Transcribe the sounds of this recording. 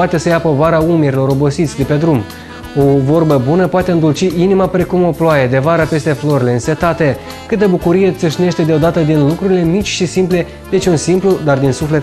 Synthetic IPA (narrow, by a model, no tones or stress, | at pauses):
at̪e̞səjapo̞vaɾaumeɾilo̞ɾo̞bo̞sit̪sʲd̪e̞pe̞d̪ɾum | o̞vo̞rbəbunəpoat̪eɨnd̪ult͡ʃiinimapɾe̞kumo̞ploaje̞d̪e̞vaɾəpe̞st̪e̞flo̞ɾile̞ɨnse̞t̪at̪e̞ | kɨt̪̚d̪e̞bukuɾije̞t̪sɨʃne̞ʃt̪e̞d̪eo̞d̪at̪əd̪inlukɾuɾile̞mit͡ʃʲʃisimple̞ | d̪e̞t͡ʃʲunsimplud̪ard̪insuflet̪